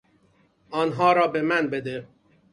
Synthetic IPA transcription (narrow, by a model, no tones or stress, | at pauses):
ɒːnɦɒːɾɒːbe̞mænbed̪e